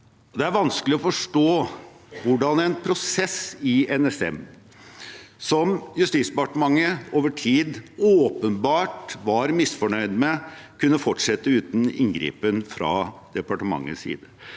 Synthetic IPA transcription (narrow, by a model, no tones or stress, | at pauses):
ɔd̪ɛæɾʋɑnsklɪɔfɔʂʈoːʋʊɖɑnɛnpʰɾʊsɛsɪɛnɛsɛ̰m | sɔmjʉst̪iːt̪sbpɑʈəmɑŋːəoːʋəʈʰiːd̪oːpənbɑːʈʋɑɾmɪsfɔɳœʏd̪mɛkʰʉnːəfɔʈʂɛt̪ːəʉːt̪n̩ɪ̰ŋɡɾḭːpənfɾɑ̰ːd̪̥ɛpɑʈəmɑ̰ŋːə̰sḭːd̪ə